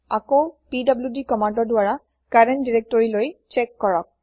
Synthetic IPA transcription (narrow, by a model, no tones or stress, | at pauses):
akowpidɔbljudikɔmandɔɹdʊaɹa | kaɹendiɹek̚tɔɹilojt͡ʃekːɔɹɔk̚